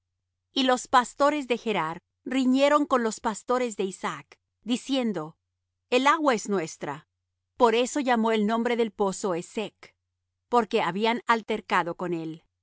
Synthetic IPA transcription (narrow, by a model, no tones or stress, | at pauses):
ilo̞spast̪o̞ɾe̞zðe̞xe̞ɾaɾ | riɲe̞ɾo̞ŋko̞nlo̞spast̪o̞ɾe̞zðeisak | d̪isje̞nd̪o̞ | e̞laɣwaeznwe̞st̪ɾa̰ | po̞ɾe̞so̞ʝamo̞elnõ̞mbɾe̞ðe̞lpo̞so̞esek | po̞ɾke̞aβianalt̪e̞ɾkaðo̞ko̞ne̞l